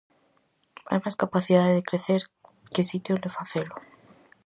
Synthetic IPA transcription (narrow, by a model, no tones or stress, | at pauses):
a̰jmaskapaθiðaðeðekɾeθeɾ | kesit̪jolefaθelo